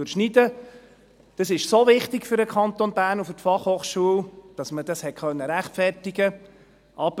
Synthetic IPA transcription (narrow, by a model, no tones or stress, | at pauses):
ɾʃnidə | d̥ɑsɪʃsovɪχtɪkfʏɾdəkʰχɑnt̪onbæːɾnufʏtfɑχhoːχʃuəld̥ɑsməd̥ɑshɛtkʰχœnːəɾæχtfɛrtiɡə | ʔɑb̥